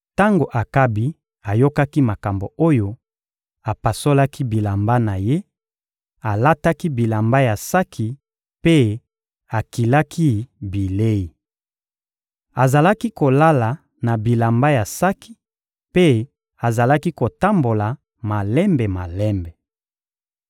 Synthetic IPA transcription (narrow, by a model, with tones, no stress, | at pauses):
ta˦ŋɡo˨ʔa˨ka˦bi˦ | a˨jo˦ka˦ki˦ma˨ka˨mbo˨o˦jo˦ | a˨pa˨so˦la˦ki˦bi˨la˨mba˦na˨je˦ | a˨la˦ta˦ki˦bi˨la˨mba˦ja˨sa˦kʰi˨ | pe˦ | a˨ki˨la˦kʰi˦bi˨le˦i˨ | a˨za˨la˦ki˦ko˨la˦la˨ | na˨bi˨la˨mba˦ja˨sa˦ki̥˨ | pe˦ | a˨za˨la˦ki˦ko˨ta˦mbo˨la˨ | ma˨lɛ˦mbe˨ma˨lɛ˦mbɛ˨